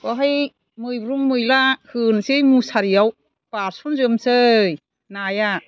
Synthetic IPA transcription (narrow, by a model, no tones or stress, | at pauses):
kɔɦaj | mɯjbɾuŋmɯjlahɯnsejmusaɾijaw | paɾsunzɯmsɯj | naja